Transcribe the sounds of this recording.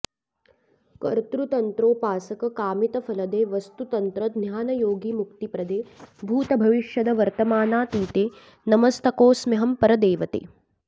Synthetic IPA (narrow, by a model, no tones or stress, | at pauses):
kɐ̰ɾt̪ɾut̪ɐnt̪ɾoːpaːsɐkɐkaːmit̪ɐfɐlɐd̪eːʋɐst̪ut̪ɐnt̪ɾɐd̪njaːnɐjoːɡiːmuk̚t̪ipɾɐd̪eːbʱuːt̪ɐbʱɐʋiʃjɐd̪ɐʋɐɾt̪ɐmaːnaːt̪iːt̪eː | nɐmɐst̪ɐkoːsmiɦɐmpɐɾɐd̪eːʋɐt̪ḛː